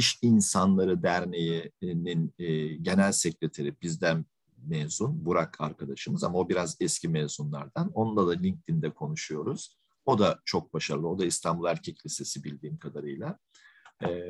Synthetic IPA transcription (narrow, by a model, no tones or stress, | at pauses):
iʃinsanlˠaɾɯd̪æɾnejininːɟe̞nælʲsecɾʲet̪ʰeɾib̥izd̪æn | mezunbuɾakʰaɾkʰad̪aʃɯmɯzamaobiɾazɛscʰimɛzunlˠaɾd̪ano̞nund̪ad̪alʲiɲc̚t̪ʰind̪ɛkʰo̞nuʃujo̞ɾuz̥ | o̞d̪at͡ʃʰo̞k̚baʃaɾlˠɯo̞d̪aist̪ʰambulˠæɾcʰɛclʲise̞sibilʲd̪iːmkʰad̪aɾɯjlˠa | ɛː